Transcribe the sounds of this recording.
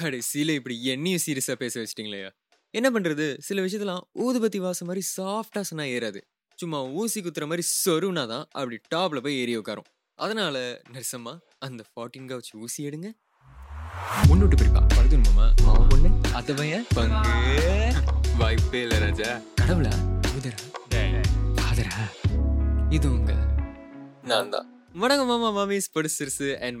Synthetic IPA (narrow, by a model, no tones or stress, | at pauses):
kɐɽɐɪsilɐɪpːɐɽiɛnːɪjʊsiːɾɪjɐsaːpeːsɐʋɐt͡ʃːɪʈːiːŋɡɐlɐja̰ː | ɛnːɐp̬ɐɳːɾɐðɯsɪlɐʋɪʂ̬ɪjt̪ːɪlãːuːðɯpɐt̪̬ːiʋaːsɐmaːd̪ɾisaːfʈaːsɐnːaːeːɾaːðɯ | t͡ʃʊmːaːuːsɪkːʊt̪ːɪɾɐmaːd̪ɾisɔɾɯʋnaːt̪ãːʔɐpːɐɽiʈaːplɐpːoːeːɾɪjɐʋʊkːaːɾʊ̰̃ | ɐðɐnaːlɐnɐɾsɐmːaː | ɐnd̪ɐfaːʈːɪŋɡaːʋɐt͡ʃːɯuːsɪjeːɽɯŋɡɐ | mʊnːuːʈːɯpɪɾpːã̰ːpɐɽɯt̪ːɯnɯmaːma̰ːʊnːɯɐðɐʋɐjɐpɐŋɡɯ | ʋɐjpːeɪlːɐɾaːd͡ʒaːkɐɽɐʋɯlaːʊðɐɾaːeːkaːðɐɾa | ɪðɯʊŋɡɐ | naːnd̪ã̰ː | mɐɳɐŋɡɐmaːmamaːmespɐɽɯsɪɾsɯɛn